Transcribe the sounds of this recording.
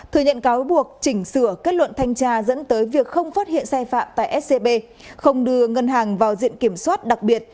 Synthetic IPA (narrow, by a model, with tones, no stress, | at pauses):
t̪ʰɨ˨˩əɲə̰˧˨nkaː˨˦wɓu˨˩ək̚t͡ɕï˧˩ŋ̟sɨ˧˩əke˦˥t̚lwə̰˧˨nt̪ʰa˧jŋ̟t͡ɕaː˧zə̰˧˥nt̪əː˨˦jvi˨˩ək̚xə˧wŋ͡mfaː˦˥t̚hḭ˧˨ənsaː˧jfa̰ː˧˨mt̪a̰ː˧˨jʔɛ˦˥t̚se˧ɓe˧ | xə˧wŋ͡mɗɨ˧əŋə˧nɦaː˨˩ŋvaː˨˩wzḭ˧˨ənki˧˩əmswaː˦˥t̚ɗa˨˩k̚ɓi˨˩ət̚